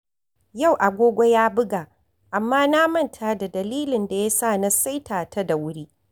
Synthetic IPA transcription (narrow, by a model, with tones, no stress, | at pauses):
ja˦˨wʔa˨ɡʷoː˦ɡʷo˦jaː˦bɪ˦ɡaː˨ | ʔa˨mːaː˦na˦mɐ˦˨ntʰaː˦da˨dɐ˨liː˦lɪ˨nda˨ja˦saː˦˨na˦sa˦jtʰaː˨ta˦da˨wʊ˦ɽiː˦